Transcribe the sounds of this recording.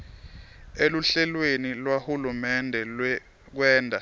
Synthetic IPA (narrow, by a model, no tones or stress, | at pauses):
eluɬɛlwenilwahulumɛndʱɛlɛ | k̬wɛːndʱa